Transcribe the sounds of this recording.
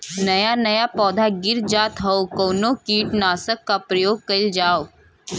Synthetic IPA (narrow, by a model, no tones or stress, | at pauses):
nɐjanɐjapɔːd̪ʱaɡɪɾd͡ʒaːt̪ɦɐokoːnokiːʈnaːsəkːapɾɐjoːɡ̚kɐɪld͡ʒaːo